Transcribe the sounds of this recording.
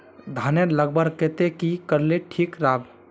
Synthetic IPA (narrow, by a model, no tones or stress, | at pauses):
d̪ʱaneləɡ̚bəɾket̪ekikəɾleʈʰikɾab